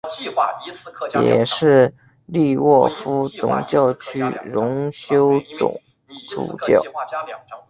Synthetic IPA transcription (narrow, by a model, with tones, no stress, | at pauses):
jɛ̰˨˩ʂɻ̩˥˧ | li˥˧wɔ˥˩fu˥t͡sʊ̰˨˩ŋt͡ɕjɑ˥˩ʊt͡ɕʰy˥ɻʊ˧˥ŋɕjo˥ʊt͡sʊ̰˨˩ŋ | ʈ͡ʂṵ˨˩t͡ɕjɑ̰˥˩ʊ